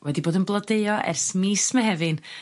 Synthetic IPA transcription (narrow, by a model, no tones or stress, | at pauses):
wɛdiboːdənblˠədeɨɔʔɛ̰rsmiːsməɦɛvɨn